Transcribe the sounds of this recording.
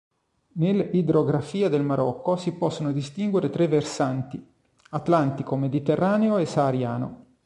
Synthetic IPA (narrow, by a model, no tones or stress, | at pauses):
nelid̪ɾoɡɾafiːad̪elmaɾʔɔkːosipɔsːonod̪ist̪iŋɡweɾet̪ɾevːersant̪i | at̪lant̪ikomed̪it̪erːaːneoesaːɾja̰ːno̰